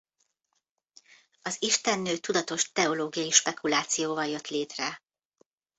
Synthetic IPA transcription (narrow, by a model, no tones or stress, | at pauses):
ɒziʃt̪ɛnːøːt̪ud̪ɒt̪o̞ʃt̪ɛo̞loːɡijɒjiʃpɛkulaːt̪sijoːvɒljø̞t̪leːt̪rɛ